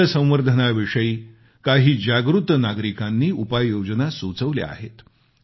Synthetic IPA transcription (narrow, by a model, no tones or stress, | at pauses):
əsə̃w̃ʋəɾd̪ʱənaʋiʂəiː | kaɦiːd͡ʑaɡɾut̪ənaɡɾikanːiːupajjod͡ʑənasut͡səʋlḛa̰ɦḛt̪